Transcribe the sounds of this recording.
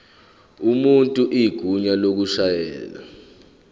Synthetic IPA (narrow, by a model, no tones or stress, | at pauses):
umuntʼuʔiɡ̥ʱuɲalok̬uʃajɛ̰ːla̰